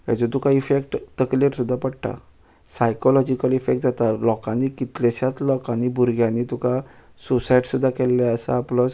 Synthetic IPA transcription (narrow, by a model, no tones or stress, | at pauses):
ɦɛ̰t͡sɔt̪ukaifekʈt̪əkliɾsud̪ʱːapəɽʈa̰ | sajkɔlɔd͡ʑikəlifek̚ʈ̚d͡zat̪alɔkãnikit̪leɕat͡slɔkanibʱuɾɡjanit̪uka | sɔsaiʈsud̪ʱːakɛlːɛəsa̰ːplɔ